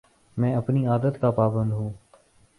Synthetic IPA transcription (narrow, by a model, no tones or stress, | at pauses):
mɛ̃ːəpniaːd̪ət̪kapaːbə̃nd̪ɦũː